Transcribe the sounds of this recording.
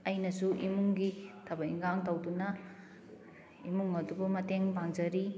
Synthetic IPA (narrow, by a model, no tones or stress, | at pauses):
ɐjnɐsuʔimuŋɡitʰɐbɐiŋɡaŋtɐwdunɐ | imuŋɐdubɐmɐteŋbaŋd͡ʒɐɾi